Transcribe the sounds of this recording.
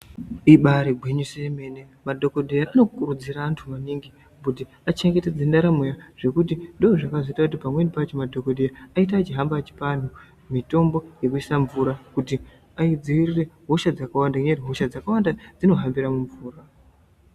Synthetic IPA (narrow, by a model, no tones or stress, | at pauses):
iɓaɾiɡʱweɲuseme̞ne | madʱo̞koɗejaano̞kkuɾud͡ziraːntʰumaniŋɡi | buti | at͡ʃeŋɡe̞ted͡zindaɾamujaʐ̥e̞kutindoʐakazoitakut̬ipamwe̞nipat͡ʃomadʱo̞ko̞ɗejaaitaːt͡ʃiɦambat͡ʃi̥pan̤u | mito̞mbo̞je̞kuisaɱvuɾakuti | aid͡ziirire̞ɦoʃad͡zakawandakuɲediɦoʃad͡zakawandad͡zino̞ɦambiɾamuɱvuːra